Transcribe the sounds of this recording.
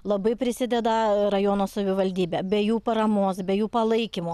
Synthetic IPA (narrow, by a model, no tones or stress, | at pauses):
lˠɐbɐɪpʲɾʲɪsʲɪd̪ʲɛd̪ɐɾɐjoːnoːsɐʋʲɪʋɐlʲd̪ʲiːbʲɛːbʲɛjuːpɐɾɐmoːsbʲɛjuːpɐlˠɐɪkʲimoː